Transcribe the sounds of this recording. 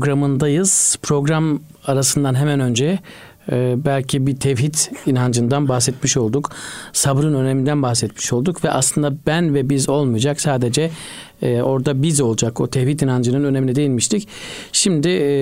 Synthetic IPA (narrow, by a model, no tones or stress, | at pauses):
ɡɾamɯnd̪ajɯz̥pʰɾo̞ɡɾamaɾasɯnd̪anɦemænø̞nd͡ʒɛː | bælʲcʰibit̪ʰɛvɦit̪ʰinɦand͡ʒɯnd̪anbaxsɛt̪miʃo̞lˠd̪uksabɾɯnø̞nemind̪ænbaxsɛt̪mi̥ʃo̞lˠd̪ukvɛʔa̰slˠɯnd̪abænvɛbizo̞lˠmujd͡ʒaksaːd̪e̞d͡ʒɛ | o̞ɾd̪abizo̞lˠud͡ʒako̞t̪ʰɛvhit̪inɦand͡ʒɯnɯnø̞ne̞minɛd̪e̞jilʲmiʃt̪ʰicʃimd̪ɪ